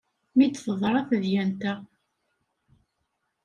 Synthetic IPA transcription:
mit̪ːfəðˤɾˤɑθəðjænt̪æ

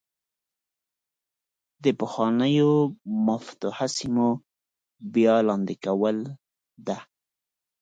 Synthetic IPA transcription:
d̪əpəxwɑnəjomaft̪uhasimo | bjɑlɑnd̪ikawəl | d̪a

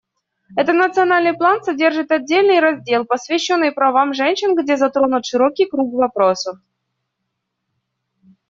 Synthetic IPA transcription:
ɛt̪ət̪nət̪sɨɐnalʲnɨjplˠansɐdʲerʐɨt̪ɐdʲːelʲnɨjɾɐzʲdʲelˠpəsvʲɪɕːo̞nːɨjpɾɐvamʐɛnʲɕɪnɡdʲezɐt̪ɾo̞nʊt̪ʂɨɾokʲɪjkɾukvɐpɾosəf

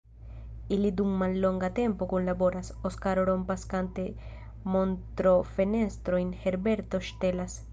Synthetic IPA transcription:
ilid̪uŋmanloŋɡat̪ẽmpokõnlaboɾasoskaɾoɾompaskant̪e | mõnt̪ɾofenest̪ɾoeŋheɾbeɾt̪oʃt̪elas

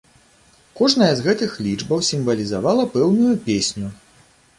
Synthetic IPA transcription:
kɔʐnɐjɐzɣɛt̪ɨxlʲid͡ʐbɐwsʲimvɐlʲizavalˠɐpɛwnujupʲesʲnʲu

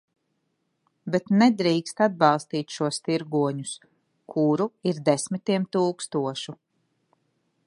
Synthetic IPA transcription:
bet̪nɛd̪ɾiːkst̪ad̪̚bɑlˠst̪iːt̪ʲʃuɔst̪iɾɡuɔɲus | kʰuɾuiɾd̪esmit̪iɛmt̪uːkst̪uɔʃu

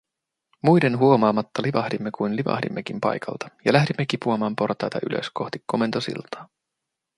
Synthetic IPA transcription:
mujde̞nɦuo̞mɑːmɑt̪ːɑliʋɑhdimːekujnliʋɑ̰hdḭmːek̟impɑ̰jkʰɑ̰lt̪ɑ̥jɑlæɦdimːek̟ipuɑmɑːmpo̞rt̪ɑjt̪ɑ̰ʔy̰lø̰sko̞ht̪ikːo̞me̞nt̪osḭlt̪ɑ̥ː

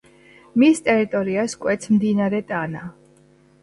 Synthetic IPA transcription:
mist̪ʼɛɾit̪ʼɔɾiaskʼwɛt̪sʰmd̪inaɾɛt̪ʼana

